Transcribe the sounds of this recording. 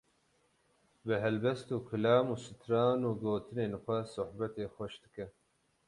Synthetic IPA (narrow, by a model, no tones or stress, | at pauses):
bɨɦɛlbɛst̪uːkʰʊlɑːmuːsɨt̪ʰɾɑːnuːɡoːt̪ʰɨneːnxʷɐsʊħbɐt̪eːxʷɔʃd̪ɨkɛ